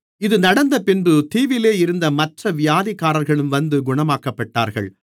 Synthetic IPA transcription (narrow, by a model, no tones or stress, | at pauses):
ɪðɯnɐɽɐnd̪ɐpɪnbɯt̪iːʋɪleːɪɾɯnd̪ɐmɐʈrɐʋɪjaːðɪkːaːɾɐɾɣɐɭɯmʋɐnd̪ɯɡʊɳɐmaːkɐpːɐʈːa̰ːɾɣɐ̰ɭ